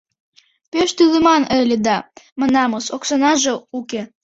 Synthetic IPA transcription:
peʃt̪yləmɑnəlʲed̪ɑmə̆nɑmoʃoksonɑʒeuke

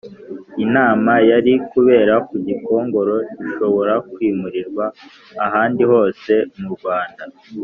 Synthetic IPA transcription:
inaːmajaɾikuβe̞ːɾakuɟiko̞ːŋɡo̞ɾo̞iʃo̞βo̞ɾakwiːmuɾiɾɡwaː | ɦaːndiho̞ːse̞muɾɡwaːnda

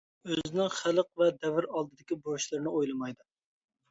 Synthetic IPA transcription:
øzɪnɪŋχælˠəq̚vɛd̪ɛvɪɾɑlˠd̪ɨd̪ɪkʲiboɾuʃlˠɨɾɨnɨojlˠɨmɑjd̪ɨ

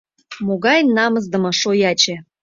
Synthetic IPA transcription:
moɣɑjnːɑmɤz̬d̪ə̆mɤʃojɑt͡ɕĕ

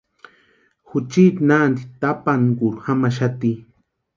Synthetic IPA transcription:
xut͡ʃit̪naːnd̪it̪apankuɾxamaʃ̬at̪i

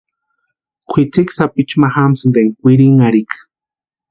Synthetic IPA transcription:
kʷʰit͡siksapit͡ʃmaxamsɨnd̪eŋkʷiɾiŋaɾikḁ

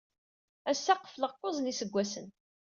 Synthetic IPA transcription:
æsːaqə̥fləʁqːozˤnisəɡʷːæsən

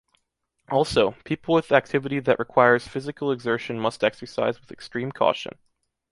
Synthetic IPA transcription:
ʔɔlˠsoʊpʰipl̩ˠwɨðæk̚tʰɪvɨɾiðɨʔɹʔɨkʰw̥aɪə˞z̥fɪzɨkl̩ˠəɡzɜ˞ʃɨ̃nmʌstɛksə˞sa̰ɪzwɨðɨkstɹ̥ĩmkʰɔ̰ʃɨ̰̃n

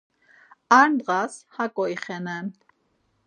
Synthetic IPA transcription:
aɾnd̪ʁashakʼɔiχɛnɛn

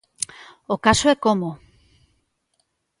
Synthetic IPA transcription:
okasoɛkomo

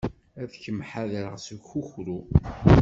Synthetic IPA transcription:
æðçəmħaðɾəʁsəɡxuçɾu

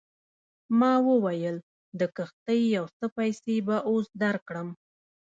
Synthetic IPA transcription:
mɑwəwajəl | d̪əkəxt̪əjjawsəpajsebaʔosd̪aɾkɽəm

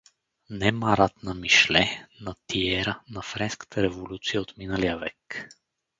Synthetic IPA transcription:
nɛmaɾat̪nɐmiʃlɛnɐt̪iɛɾənɐfɾɛnskə̥t̪ʰəɾɛvolʲut̪sijəot̪minəlijəvɛk

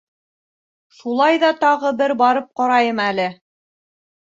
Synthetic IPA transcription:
ʃulˠɑjðɑt̪ɑʁɤbɘɾbɑɾɤp̚qɑɾɑjɤmælɘ

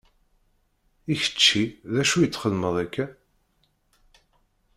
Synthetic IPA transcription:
içə̥t͡ʃːiðæʃujət͡sːχəlməðˤækːæ

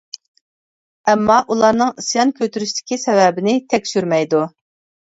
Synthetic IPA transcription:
ɛmːɑʔulˠɑɾnɨŋisjɑnkʲʰøt̪ʰyɾyʃt̪ʰɪ̥kʲisɛvɛbɪnɪt̪ʰɛkʲsyɾmɛjd̪u

